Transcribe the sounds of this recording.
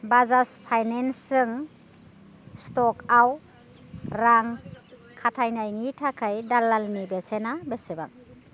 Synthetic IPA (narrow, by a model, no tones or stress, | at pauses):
bazaspʰajnensɯŋ | stɔkaw | ɾaŋ | kʰatʰajnajŋitʰakʰajdalːalnibesenabeseba̰ŋ̚